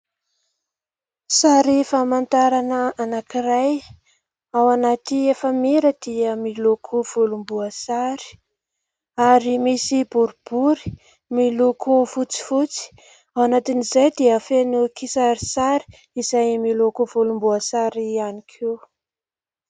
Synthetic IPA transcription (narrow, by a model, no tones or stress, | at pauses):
saɾifamant̪aɾanəanakiɾaj | awanat̪iefəmiɾəd̪iəmilukʰuv̥ulumbuasaɾi̥ | aɾimisibuɾub̥uɾi̥ | milukufut͡si̥fut͡si̥ | awanat̪inizajd̪iəfenukisaɾisaɾi̥ | izajmilukuv̥ulumbuasaɾianikʰe